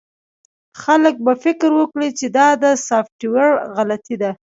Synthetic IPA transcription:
xalək̚bafɪkɾwəkɽit͡ʃed̪ɑd̪əsɑfʈiwaɽɣalat̪id̪a

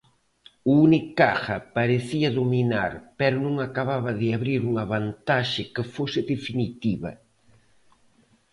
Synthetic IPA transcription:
uunikaxɐpaɾeθiɐðomina̰ɾpɛɾʊnũŋakaβaβɐðɪaβɾiɾuŋɐβant̪aʃɪkɪfosɪðefinit̪iβɐ̰

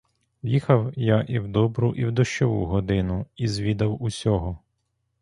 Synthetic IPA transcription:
jixɐwjaʔiwd̪ɔbɾuʔiwd̪ɔʃt͡ʃɔʋṵɦɔd̪ɪnʊizʲʋʲid̪ɐwusʲɔɦɔ

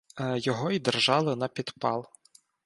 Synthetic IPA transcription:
jɔɦɔid̪erʒɑlˠɪnɐpʲid̪pɑ̰lˠ

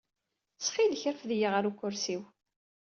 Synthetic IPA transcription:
sχiləçəɾəfðjiʁəɾukːʊɾsiw

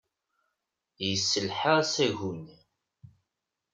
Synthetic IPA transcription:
jəsːəlħəʁsæʝun

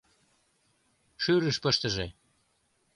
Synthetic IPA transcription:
ʃyɾəʃpə̆ʃt̪ə̆ʒe

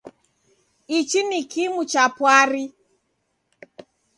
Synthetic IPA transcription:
it͡ʃinikimut͡ʃapwaɾi

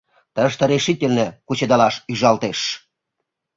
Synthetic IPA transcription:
t̪əʃt̪ə̆ɾeʃitʲelnĕkut͡ɕed̪ɑlɑʃyʒɑlt̪eʃ

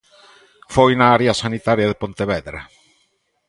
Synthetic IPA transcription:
fojnaaɾeasanit̪aɾjaðepont̪eβɛðɾa̰

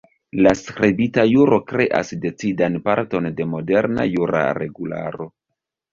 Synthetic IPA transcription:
laskɾebitajuɾʔo̞kɾe̞ʔa̰sde̞t͡sidanpaɾto̞nde̞mo̞de̞ɾna̰juɾa̰ɾe̞ɡula̰ɾo̞

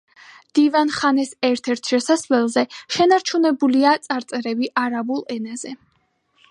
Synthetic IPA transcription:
d̪̥ivanχanɛsɛɾt̪ʰɛɾt̪ʰʃɛsasvlɛlˠzɛʃɛnaɾt͡ʃʰunɛbuliat̪sʼaɾt̪sʼɛɾɛbiʔaɾabulˠɛnaz̥ɛ

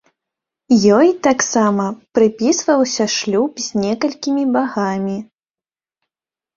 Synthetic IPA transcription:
jɔjt̪aksamɐpɾɨpʲisvɐwsʲɐʂlʲupzʲnʲɛkɐlʲkʲimʲibaɣamʲi

